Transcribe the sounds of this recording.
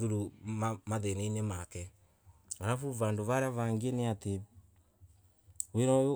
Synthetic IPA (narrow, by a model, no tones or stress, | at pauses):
ðuɾuamaðeneinemakɛ | aɾafuβandoβaɾeaβaŋɡeneate | weɾɔjo